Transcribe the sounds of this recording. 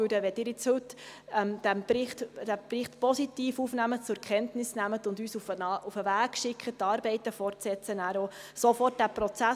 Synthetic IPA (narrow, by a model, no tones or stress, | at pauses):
ydəʋɛd̥ɪːɾɪt͡shʉtɛmd̪̥æmbɪχtd̥æb̥rɪχt̪pɔsitiːfuːfnæmətt͡sʊɾkχɛntnɪsnæmət̪ʊndyːsufəufəʋæːɡ̥ʃɪkʰχətːɑːɾbɛɪt̪əfɔrtsɛt͡sənæːɾosofɔrt̚d̥æpɾɔt͡sæ